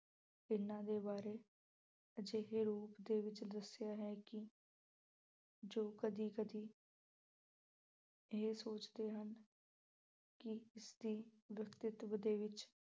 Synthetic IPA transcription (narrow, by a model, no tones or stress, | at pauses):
ɪnãːd̪eːbaːɾeː | əd͡ʒeɦeːɾuːpd̪eːʋɪt͡ʃd̪əsɪjaːɦɛːkɪ | d͡ʒoːkəd̪iːkəd̪iː | ɦeːsoːt͡ʃd̪eːɦən | kɪɪsd̪iːʋjəkt̪ɪt̪ʋəd̪eːʋɪt͡ʃ